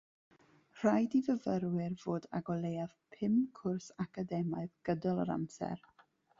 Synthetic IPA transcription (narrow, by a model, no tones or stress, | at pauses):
r̥ajdivəvəɾwɪrv̥oːdaɡɔlˠejað̥pʰɪmkʰʊrsakadɛmaɨðɡ̥ədɔlˠə̰ɾa̰msɛ̰r